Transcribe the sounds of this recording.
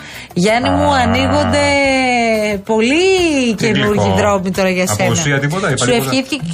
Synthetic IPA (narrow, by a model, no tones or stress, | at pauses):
ʝɐnimuɐniɣo̞nd̪e̞ | po̞licenuɾʝiðɾo̞mit̪o̞ɾɐʝɐse̞snɐɐt̪ipot̪ɐsuefiθice